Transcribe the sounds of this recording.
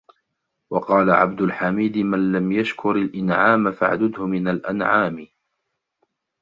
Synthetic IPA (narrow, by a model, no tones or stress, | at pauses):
wɑqɑːlaʕa̰b̚d̪ʊlħamiːd̪ɪmanlamjaʃkʰʊɾalʔɪnʕaːmafaʕd̪ʊd̪hʊmɪnalʔanʕaːmɪ